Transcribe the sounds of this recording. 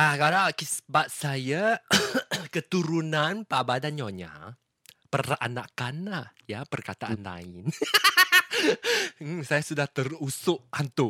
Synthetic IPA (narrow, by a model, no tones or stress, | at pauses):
akadakisbat̪̚saja | kət̪uɾunanpabadanɲɔɲa̰ | pəra̰nakanlahjapərkat̪aʔanla̰ɪn | sajasudaht̪ərusʊʔhant̪ʊ